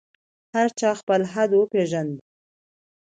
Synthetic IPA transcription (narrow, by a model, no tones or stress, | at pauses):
haɾt͡ʃɑxpəlɦad̪wəpeʒand̪i